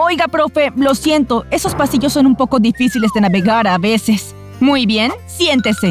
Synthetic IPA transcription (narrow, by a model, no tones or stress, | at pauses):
o̞jɣapɾo̞fe̞lo̞sje̞nt̪o̞e̞so̞spasiʝosːo̞numpo̞ko̞ðifisile̞zðe̞naβe̞ɣaɾaβe̞se̞s | mujβje̞nsje̞nt̪e̞se